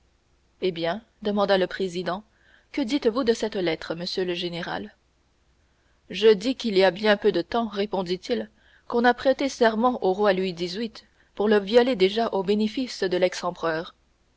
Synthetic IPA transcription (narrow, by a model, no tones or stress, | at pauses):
ebjɛ̃ | d̪əmɑ̃d̪aləpχezid̪ɑ̃ | kəd̪it̪vud̪əsɛt̪lɛt̪χəməsjøləʒeneʁa̰l | ʒəd̪ikʲiliabjɛ̃pød̪ət̪ɑ̃ʁepɔ̃d̪it̪il | kɔ̃napχet̪esɛʁmɑ̃ʔoʁwalɥid̪izɥit̪ | puʁləviɔled̪eʒaʔobenefisd̪əlɛksɑ̃pχœːʁ